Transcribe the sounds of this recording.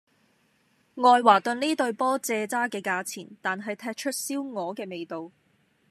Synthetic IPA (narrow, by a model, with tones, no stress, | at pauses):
ŋɔː˧jwaː˨˩t̪ɵ˧nliː˥t̪ɵ˧ɥpɔː˥t͡sɛː˧t͡saː˥kɛː˧kaː˧t͡sʰḭː˨˩nt̪aː˨nɦɐ˨jt̪ʰɛː˧k̚t͡ʃʰɵ˥t̚siː˥wŋɔː˨˧kɛː˧me˨jt̪o˨w